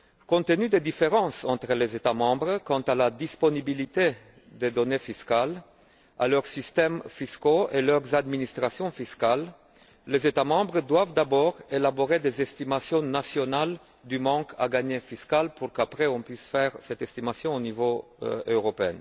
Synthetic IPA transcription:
kɔ̃t̪ənyd̪ed̪ifeʁɑ̃sɑ̃t̪χəlezet̪amɑ̃bʁəkɑ̃t̪alad̪ispɔnibilit̪e | d̪ed̪ɔnefiskal | a̰lœʁsist̪ɛmfiskoelœʁzad̪minist̪χasjɔ̃fiskalː | ezet̪amɑ̃bʁəd̪wavd̪abɔʁelaboʁed̪ezɛst̪imasjɔ̃nasjɔnal | d̪ymɑ̃kʰa̰ɡaɲefiskalpuʁkapʁɛɔ̃pɥisfɛʁsɛt̪ɛst̪imasjɔ̃onivoøʁɔpeɛ̰̃n

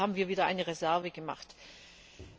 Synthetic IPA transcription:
aːbm̩viːɐviːdɐʔa̰ɪnəʁezɛɐvəɡəma̰χt

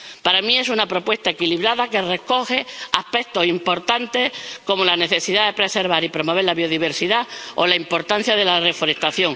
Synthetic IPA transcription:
paɾamĩe̞s̬unapɾo̞pwe̞st̪aekiliβɾaðake̞re̞ko̞xe̞ahpe̞k̚t̪o̞simpo̞ɾt̪ant̪e̞ko̞molane̞θe̞siðaðe̞pɾe̞se̞ɾβ̞aɾipɾo̞mo̞βe̞ɾlaβjo̞ðiβ̞e̞ɾsiðao̰laimpo̞ɾt̪an̟θjaðe̞lare̞foɾe̞st̪aθjo̞ŋ

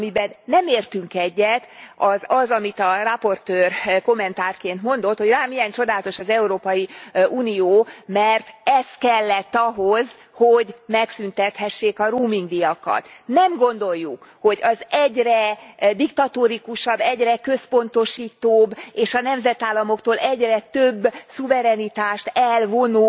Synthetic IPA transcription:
mibɛnːɛmeːrt̪yŋkɛɟːɛt̪ɒzɒzɒmit̪ɒrɒpo̞rt̪øːrko̞mːɛnt̪aːrkeːnt̪mo̞n̪d̪o̞t̪ho̞ɟraːmijɛnt͡ʃo̞d̪aːlɒt̪o̞ʃɒzɛuɾoːpɒjiuːnijoːmɛrt̪ɛst̪kɛlːɛt̪ːɒɦoz | hoɟmɛksynt̪ɛt̪hɛʃːeːkɒɾuːmiŋɡd̪ijɒkɒ̰t̪nɛmɡo̞nd̪o̞jːukho̞ɟɒzɛɟrɛd̪ikt̪ɒt̪oɾikuʃɒbːɛɟrɛkø̞spo̞nt̪o̞ʃiːt̪oːbeːʃɒnɛmzɛt̪aːlːɒmo̞kt̪oːlʔɛɟrɛt̪øbːsuvɛɾɛnit̪aːʃt̪ɛlvo̞nuː

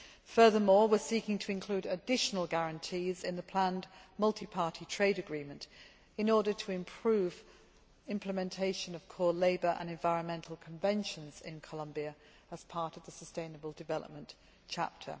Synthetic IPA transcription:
fɜːðəmɔːwɪsiˑkɪ̃ŋtʰəɪ̃nkʰl̥ʉːɾədɪʃənəl̩ˠɡæɹə̃ntʰiːzɪ̃nðəpʰl̥ãnmʌlˠtʰipʰɑˑtʰitʰɹ̥eɪɾɨɡɹĩmə̃nt | ɪ̃nɔːɾətʰəɪ̃mpʰɹ̥ʉːv | ɪ̃mpʰləmɛ̃ntʰeɪʃə̃nəv̥kʰɔːleɪbəɹʔə̰̃nɛ̃ɱvaɪɹə̃nmɛ̃ntʰˡl̩ˠkʰə̃ɱvɛ̃nʃə̃nz̥ɪ̰̃nkʰəlʌ̃mbiə | əz̥pʰɑɹtəvðəsəstẽɪ̃nəbəlˠdɨvɛlˠə̰p̚mə̃n | t͡ʃʰa̰p̚tʰə̰

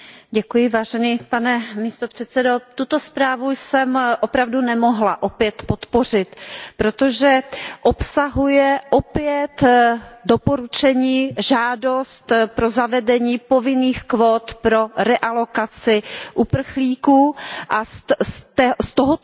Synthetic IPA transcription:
ɟɛkujɪvaːʒɛniːpanɛmiːst̪opr̝̥ɛt̪sɛdo̞t̪ut̪o̞spɾaːvujsɛmʔopɾavdunɛmoɦlaʔopjɛt̪pot̪por̝ɪt̪pɾot̪oʒɛʔopsaɦujɛʔopjɛt̪dopo̞ɾut͡ʃɛɲiːʒaːdo̞st̪pɾo̞zavɛdɛɲiːpovɪniːxkvoːt̪pɾo̞ɾɛʔalo̞kat͡sɪʔupr̩xliːkuːʔas | st̪oɦo

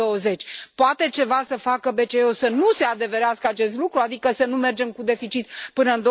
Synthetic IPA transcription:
owəze̞t͡ʃʲpoat̪e̞t͡ʃe̞vasəfakəbe̞t͡ʃeosənuse̞ad̪e̞ve̞ɾeaskəat͡ʃe̞st̪lukɾuad̪ikəsənume̞rd͡ʒe̞mkud̪e̞fit͡ʃit̪̚pɨnəɨnd̪o

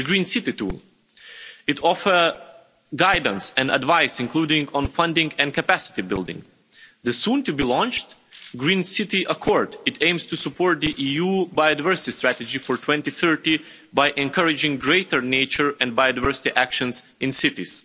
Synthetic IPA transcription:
ðɨɡɹĩnsɪtitṵlˠ | ɨtʰɔfə˞ | ɡaɪd̃n̩sɛ̃nə̰dvaɪsɪ̃nkʰludɪ̃ŋɡɔ̃nfʌ̃ndɪ̃ŋɡɛ̃nkʰɨpæsɪ̥tibɪ̰lˠdɪ̰̃ŋ | ðɨsũntɨbilɔ̃nt͡ʃtɡɹĩːnsɪtiʔəkʰɔɹdɨtʰẽɪ̃mstusəpʰɔɹt̪̚ðiʔijubaɪodɨvɜ˞sɪtistɹætɨd͡ʒifɔɹtʰwɛ̃ntiθɜ˞ti | baɪʔɛ̃nkʰʌɹɪd͡ʒɪ̃ŋɡɹeɪtə˞neɪt͡ʃə˞ɛ̃n̚bajodɨvɜ˞sɪ̥tiʔækʃə̃nz | ɪ̃nsɪtḭz̥

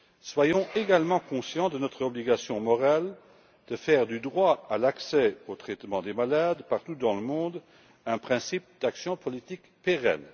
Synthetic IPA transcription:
swajɔ̃eɡalmɑ̃kɔ̃sjɑ̃d̪ənɔt̪χɔbliɡasjɔ̃mɔʁal | d̪̥əfɛːʁd̪yd̪ʁwaalaksɛot̪χɛt̪mɑ̃d̪emalad̪paʁt̪ud̪ɑ̃ləmɔ̃d̪ | ɛ̃pχɛ̃sip̚d̪aksjɔ̃pɔlit̪ik | peʁɛ̰n

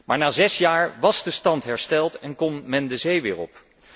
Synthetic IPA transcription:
maːɹnaːzɛsjaːɹʋɑzdəstɑntɦɛɹstɛlˠtɛnkɔmːmɛndəzejʋɪːɹɔ̰p

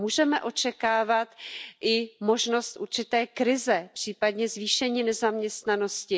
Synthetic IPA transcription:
muːʒɛmɛʔo̞t͡ʃɛkaːvat̪ʔɪmo̞ʒno̞st̪ʔṵɾt͡ʃɪt̪ɛːkɾɪzɛpr̥iːpadɲɛzviːʃɛɲiːnɛzamɲɛst̪nano̞scɪ

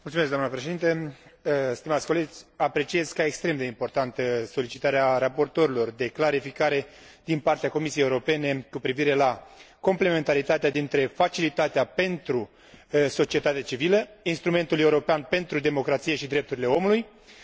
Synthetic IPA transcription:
mult̪sumeskɡd̪amnəpɾe̞ʃeint̪e | st̪imat̪sʲko̞le̞d͡ʒʲapɾe̞t͡ʃie̞zkaekst̪ɾe̞md̪e̞impo̞rt̪ant̪əso̞lit͡ʃit̪aɾeaɾapo̞rt̪o̞ɾilo̞rd̪e̞klaɾifikaɾe̞ | d̪inpart̪eako̞misijejeuɾo̞pe̞ne̞kupɾiviɾe̞la | ko̞mple̞me̞nt̪aɾit̪at̪ead̪int̪ɾe̞fat͡ʃilit̪at̪eape̞nt̪ɾu | so̞t͡ʃie̞t̪at̪eat͡ʃiviləinst̪ɾume̞nt̪ule̞uɾo̞peanpe̞nt̪ɾud̪e̞mo̞kɾat̪sije̞ʃid̪ɾe̞p̚t̪uɾile̞o̞muluj

